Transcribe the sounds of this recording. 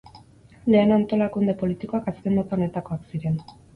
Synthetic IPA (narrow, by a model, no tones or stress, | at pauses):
le̞ːnant̪o̞lakund̪e̞po̞lit̪iko̞akaske̞mbot̪aone̞t̪ako̞aksiɾe̞n